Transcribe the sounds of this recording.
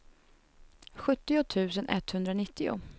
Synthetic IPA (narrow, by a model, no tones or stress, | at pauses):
ɧɵt̪ːɪʊt̪ʰʉ̟ːsənʔɛt̪ːhɵnd̪ɾanɪt̪ːɪʊ̰